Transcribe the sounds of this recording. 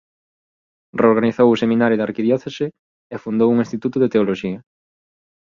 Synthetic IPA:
reoɾɣaniθowʊsemĩnaɾjʊðaɾkiðjɔθesɪ | efund̪owuŋĩnst̪it̪ut̪ʊðet̪eoloʃiɐ

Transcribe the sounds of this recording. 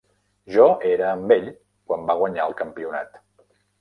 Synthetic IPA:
ʒɔeɾəːmbeʎ | kwambaɣ̞wəɲaəlˠkəmpiuna̰t̪

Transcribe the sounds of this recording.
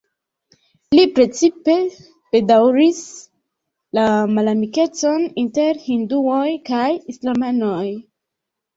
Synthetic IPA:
lipɾe̞t͡sipe̞ | b̥e̞dawɾis | lamalamike̞t͡so̞ninte̞ɾhinduo̞jkajislamano̞j

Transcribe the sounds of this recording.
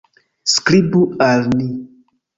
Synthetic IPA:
skɾibualni

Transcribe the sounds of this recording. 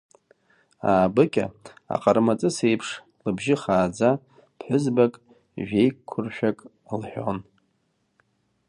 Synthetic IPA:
aːbɨkʲʼa̰a̰qʼarmat͡sʼɨsejpʰʂ | lɨbʒɪχaːd͡za | pʰħʷʊzbakʼ | ʒᶣe̞jkkʷʰʊrʃᶣakʼ | lħʷᶣo̰n

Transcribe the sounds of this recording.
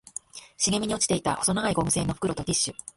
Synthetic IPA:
ɕiɡe̞mʲiɲ̟iot͡ɕi̥t̪e̞it̪a̰ʔoso̞naɡaiɡo̞mɯ̟se̞ːno̞ɸɯ̥kɯ̟ɾo̞t̪o̞dʲiɕːɨ

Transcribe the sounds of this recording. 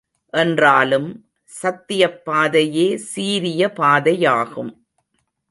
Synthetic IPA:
ʔɛndraːlɯm | sɐt̪ːɪjɐpːaːðɐjeːsiːɾɪjɐpaːðɐjaːɣɯm

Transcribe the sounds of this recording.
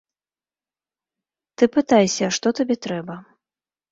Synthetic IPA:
t̪ɨpɨt̪ajsʲɐʂt̪ɔt̪abʲɛt̪ɾɛbɐ

